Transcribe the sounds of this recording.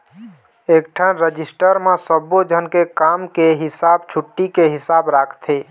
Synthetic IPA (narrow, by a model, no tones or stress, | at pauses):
ek̚ʈʰanɾəd͡ʒisʈəɾmesəbod͡ʒʱənkekamkeɦisabt͡ʃʰuʈːikeɦisabɾakʰt̪ʰe